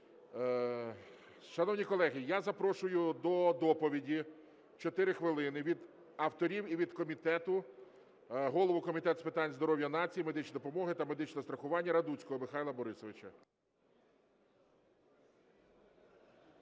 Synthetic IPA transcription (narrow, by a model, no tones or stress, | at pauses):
ʃɐnɔwnʲikɔlˠɛɦɪjazɐpɾɔʃʊjʊd̪ɔd̪ɔpɔʋʲidʲi | t͡ʃɔt̪ɪɾɪxʋɪlˠɪnɪʋʲid̪ | ɐwt̪ɔɾʲiwiʋʲid̪kɔmʲit̪ɛt̪ʊ | ɦɔlˠɔʋʊkɔmʲit̪ɛt̪spɪt̪ɑnʲzd̪ɔɾɔʋʲjɐnɑt͡sʲijimed̪ɪt͡ʃnʲid̪ɔpɔmɔɦɪt̪ɐme̞d̪ɪt͡ʃnɛst̪ɾɐxʊʋɑnʲːɐɾɐd̪ut͡sʲkɔɦɔmɪxɑjlˠɐbɔɾɪsɔʋɪt͡ʃɐ